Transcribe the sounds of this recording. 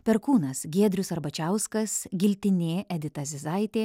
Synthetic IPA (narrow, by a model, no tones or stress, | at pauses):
pʲɛɾkuːnɐsɡʲeɛd̪ʲɾʲʊsɐɾbɐt͡ʃʲæʊskɐsɡʲɪlʲt̪ʲɪnʲeːʔɛd̪ʲɪt̪ɐzʲɪzɐɪt̪ʲeː